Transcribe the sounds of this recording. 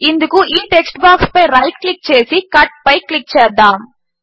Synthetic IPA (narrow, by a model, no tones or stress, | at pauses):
ɪnd̪ɯkːɯ̃ʔiːʈɛksʈbaːkspɐɪɾɐɪʈklɪk̚t͡ʃeːsikɐʈ̚pɐɪklɪk̚ːt͡ʃeːɾd̪ãːm